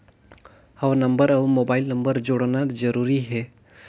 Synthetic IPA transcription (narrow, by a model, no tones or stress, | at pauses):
həwnəmbəɾaʋmoːbaːɪlnə̃mbəɾd͡ʒoɽnad͡ʒəɾuːɾiɦɛ